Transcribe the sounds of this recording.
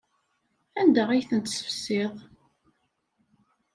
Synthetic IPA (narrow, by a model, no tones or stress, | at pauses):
ænd̪əʁijθənt̪sə̥fsːɪðˤ